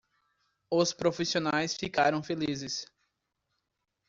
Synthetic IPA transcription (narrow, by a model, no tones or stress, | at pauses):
ʊspɾofisionajsfikaɾɐ̃w̃felizɪs